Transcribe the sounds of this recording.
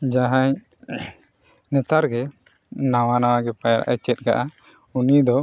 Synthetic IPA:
d͡ʒaɦaɲ | nɛt̪aɾɡɛ | nawanawaɡɛpajaɾa̰ʔa̰t͡ʃɛt̪̚ˀɡaʔa | unid̪ɔ

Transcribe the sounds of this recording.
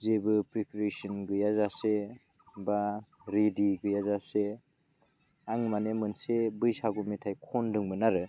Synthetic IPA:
zebɯpɾikɾesinɡɯjazase | ba | ɾediɡɯjazase | aŋmanemɯnsebɯjsaɡumetʰajkʰɔndɯŋmɯnaɾɯ

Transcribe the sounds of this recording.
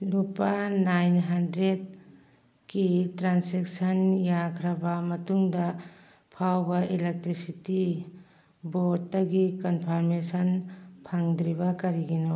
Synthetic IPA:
lupanajnɦandɾed | kitɾansek̚sɐnjakʰɾɐbɐmɐtuŋdɐ | pʰawbɐʔilek̚tɾisiti | botːɐɡikɔnpʰaɾmesɐnpʰaŋd̪ɾibɐkɐɾiɡino

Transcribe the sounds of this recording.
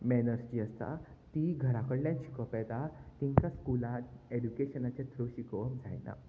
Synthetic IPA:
mɛnəɾsd͡ʑiəst̪a̰ | t̪iɡʱəɾakəɽljãt͡ɕi̥kɔpɛt̪at̪ĩɲkaskulat̪edukeɕənat͡ɕet̪ɾoɕikʋəmd͡zʱa̰jna̰

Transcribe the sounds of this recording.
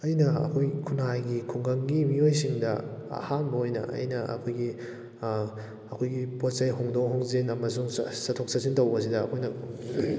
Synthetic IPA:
ɐjnɐɐ̰kʰojkʰunajɡikʰuŋɡɐŋɡimiojsiŋdɐa̰hanbɐojnɐ̰ɐ̰jnɐʔɐ̰kʰojɡi | ɐkʰojɡipot̚sɐjɦoŋdoŋɦoŋzenɐmɐsuŋsɐtʰok̚sasintɐwbɐs̬idɐːkʰojnɐ

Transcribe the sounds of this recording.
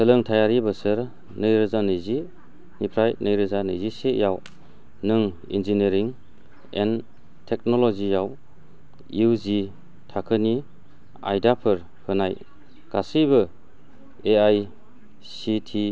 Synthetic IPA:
sɯlɯŋtʰajaɾibɯsɯɾ | nɯjɾɯzanɯjzi | nipʰɾajnɯjɾɯzanɯjziseʔjaw | nɯŋ | ḭnzineɾiŋ | ḛn | tʰek̚nɔlɔzijaw | juwzi | tʰakʰɯni | a̰jdapʰɯɾ | hɯnaj | ɡ̥asibɯ | eaj | sitʰi

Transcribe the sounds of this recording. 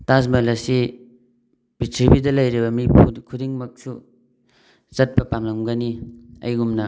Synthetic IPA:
tas̬mɐlɐsi | b̥itʰɾibidɐlɐjɾibɐmiukʰudiŋmɐk̚su | zɐt̚pɐpamlɐŋɡɐniɐ̰jɡumnɐ

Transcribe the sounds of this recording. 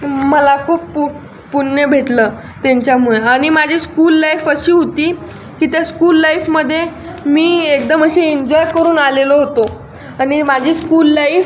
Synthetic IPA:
məlakʰuːppu | punːəbʱeʈ̪ləː | t̪aɲt͡ɕjamuɭeaɽ̃imad͡ʑʱiːskuːlːaifəɕiːɦot̪iː | kiːt̪jaskuːlːaifməd̪ʱːje | miːekd̪əməɕeiɲd͡ʑɔjkəɾuːnaleloɦot̪o | aɽ̃imad͡ʑʱiːskuːlːaif

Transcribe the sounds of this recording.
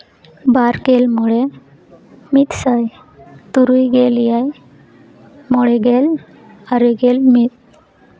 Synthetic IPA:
baɾkelmɔɭe | mit̪səj | t̪uɾujɡeljaj | mɔɭeɡel | aɾiɡelmit̪̚

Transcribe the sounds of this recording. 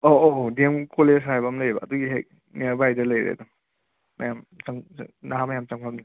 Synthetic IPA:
oodemkoleshajbɐmlɐjbɐːduɡiɦḛj̚ | neaɾbajdɐlɐjɾḛɐ̰duː | ɐjamt͡ʃaŋnaɦamɐjamt͡ʃaŋpʰamni

